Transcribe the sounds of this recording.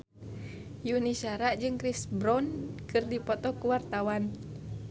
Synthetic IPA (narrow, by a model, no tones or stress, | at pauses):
juniʃaɾaʔd͡ʒɨŋkɾisbɾɔnkɨrdipɔt̪ɔkuwart̪awan